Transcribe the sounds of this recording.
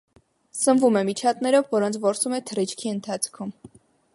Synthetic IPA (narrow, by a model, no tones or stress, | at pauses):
sənvumɛmit͡ʃʰɑt̪nɛɾɔvːɔɾɔnt͡sʰvɔɾsumɛt̪ʰəɾit͡ʃʰkʰiənt̪ʰɑt͡sʰkʰum